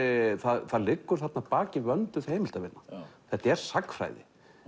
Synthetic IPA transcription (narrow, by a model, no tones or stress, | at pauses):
θaðθaðlɪkːʏɾ̥θat̪napaːcɪvœnt̪ʏθhejmɪlt̪avɪnːaθɛht̪ɛɾ̥sakːfɾa̰ːjðɪ̰